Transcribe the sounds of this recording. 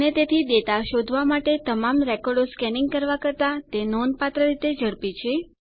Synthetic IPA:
net̪et̪ʰid̪et̪aʃod̪ʱʋamaʈet̪əmamɾɛkɔɾɖoskɛniŋɡ̚kəɾʋakəɾt̪at̪enɔnpat̪ɾəɾit̪ed͡ʒəɽpit͡ʃʰe

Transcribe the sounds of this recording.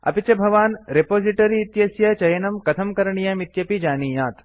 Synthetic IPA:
ɐ̰pit͡ʃɐbʱɐʋaːnɾepoːziʈɐɾiːt̪jɐsjɐt͡ʃɐjɐnɐmkɐt̪ʰɐmkɐɾɐɳijɐmit̪jɐpid͡ʒaːniːjaːt̪

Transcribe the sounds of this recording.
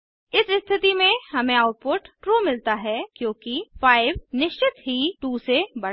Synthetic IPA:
ɪsɪst̪ʰɪt̪imẽhɐmẽaːʊʈ̚poːɾʈːɾoːmɪlt̪aɦɛkjõːkifaːɪʋnɪʃt͡ʃɪt̪ɦiʈuːsebɐ

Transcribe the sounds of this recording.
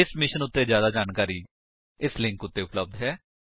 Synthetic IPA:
ɪsmɪʃənʊt̪ːeːd͡ʒjaːd̪aːd͡ʒaːnkaːɾiː | ɪslɪ̃ŋkʊt̪ːeːʊpləb̚d̪ɦɛː

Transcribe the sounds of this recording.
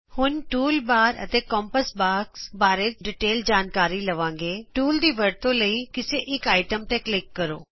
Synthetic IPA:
hʊnʈuːlbaːɾə̰t̪eːkɔ̃ːmpəsbaːksbaːɾet͡ʃɖɪʈeːld͡ʒaːnkaːɾiːləʋãːŋɡeːʈuːld̪iːʋəɾt̪õːləiːkɪseːʔɪkaːɪʈəmt̪ɛːklɪkːəɾo̰ː

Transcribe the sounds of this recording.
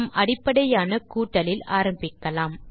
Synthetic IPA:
mʔɐɽɪpːɐɽɐjaːnɐkuːʈːɐlɪlaːɾɐmbɪkːɐlaːm

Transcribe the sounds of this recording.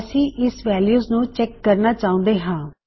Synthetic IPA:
əsĩːʔɪsʋɛːljuːznũːt͡ʃɛkːəɾnaːt͡ʃaːʊ̃ːnd̪eːɦãː

